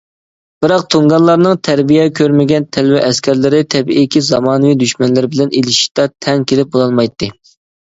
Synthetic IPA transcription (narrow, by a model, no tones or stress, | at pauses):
b̥ɪɾɑq̚t̪ʰoŋɡɑnlˠɑɾnɨŋt̪ʰæɾbijɛkʲʰøɾmɪɡʲɛnt̪ʰɛlwɛʔɛskʲæɾlɪɾɪt̪ʰɛbiʔikʲizɑmɑːnɨvijd̪yʃmɛnlɪɾɪbɪlɛnelɪʃi̥t̪ɑt̪ʰɛŋkʲʰelɪp̚bolˠɑlˠmɑjt̪ːɨ